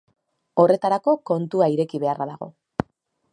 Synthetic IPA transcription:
o̞re̞t̪aɾako̞ko̞nt̪uaiɾe̞kiβe̞arʔaðaɣ̞o̞̰

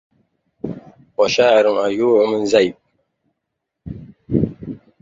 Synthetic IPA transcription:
pɔʃaːɾɨmajuːəmənzajp̚

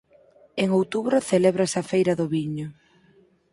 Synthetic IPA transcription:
eŋowt̪uβɾʊθeleβɾaesɐfejɾɐðʊβiɲʊ

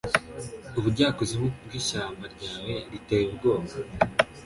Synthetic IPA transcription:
uβuɾɟaːkoziβob̚ɡiːʃaːmbaɾɟaːwe̞ɾitejeuɡo̞ːma

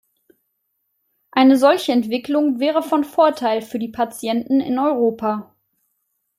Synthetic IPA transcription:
ʔaɪnəzɔlçəɛntv̥ɪklʊŋvɛːʁ̞əfɔnfoːɐtʰaɪlfyːɐdiːpʰat͡sjɛntn̩ɪ̰nɔʏʁoːpʰa

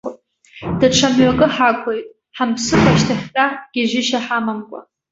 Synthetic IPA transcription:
d̥aʈ͡ʂʰamɥakʼɨħakʷʰʼojtʼ | ħampsɨχʷʰʼaʃtʰaχʲkʼaɡ̥ʲɪʒɪʃaħamamkʷʼa̰

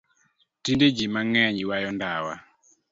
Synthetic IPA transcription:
tinded͡ʒimaŋɛɲiwajɔndawa̰

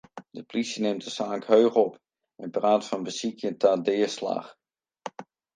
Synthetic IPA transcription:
dəplisjənemtəsaːŋkɦøɥχɔp | ɛnbraːtfɑnbəsikʰjətaːdɪːɹsla̰ːχ

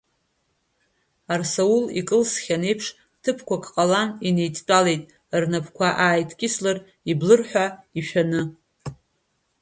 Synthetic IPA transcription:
arsoulḭkʼɨlsχʲane̞jpʰʂ | tʰɨpʰkʷʰakʰʼqʼalanine̞jtʰʼt͡pʼalejtʼ | rnapʰkʷʰaʔaːjtʰkʲʼɪslar | iblɨrħʷᶣaiʃᶣanɨ

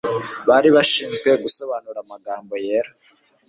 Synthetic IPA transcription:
βaɾiβaʃiːnzɡwe̞ɡuso̞βanuɾamaɡaːmbo̞je̞ːɾa

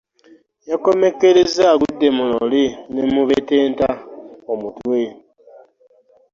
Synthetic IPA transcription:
jako̞me̞keɾezaɡudːe̞mulo̰linemuβeteːntaomutwe

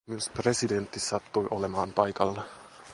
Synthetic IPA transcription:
miuspresident̪ːisɑt̪ːujʔolemɑːmpɑjkɑlːe

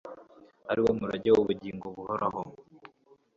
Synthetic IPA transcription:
aɾiwomuɾaɟewoβuɟiːŋɡoβuhoɾaho

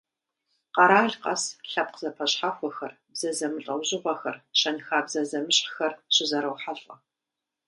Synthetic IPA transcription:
qɑɾaːɮqɐsɬɐp̚qzɐpʰɐɕħaxʷɔxɐr | bz̥ɐzɐmɨɬʼɐwʑɪʁʷɔxɐrʃɐnxaːbzɐzɐmɨɕʼħxɐrɕɪzɐɾɐwħaɬʼɐ

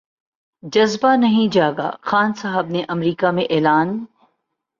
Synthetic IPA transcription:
d͡ʒɐzbanɐɦĩd͡ʒaːɡa̰xaːnsɐɦəbneʔɐmɾiːkamẽʔeːlaːn

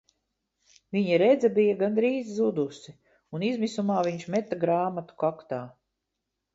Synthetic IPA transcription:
viɲaɾɛd̪zabijaɡand̪ɾiːzzud̪usi | unizmisumaːviɲʃmɛt̪ːaɡɾaːmat̪u̥kakt̪aː

